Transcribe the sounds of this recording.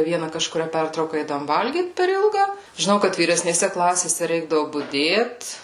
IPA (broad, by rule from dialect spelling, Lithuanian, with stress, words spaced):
ˈʋʲiɛnɐ kɐʃkʊˈrʲæː ˈpʲɛrtrɐʊkɐ ˈɛɪdɐʋoːm ˈʋɐlʲɡʲiːt pʲɛr ˈɪlˠɡɐ ʒʲɪˈnɐʊ kɐt ʋʲiːrʲɛsʲnʲeːˈsʲɛ ˈklˠɑːsʲeːsʲɛ ˈrʲɛɪɡdɐʋʊ bʊˈdʲeːt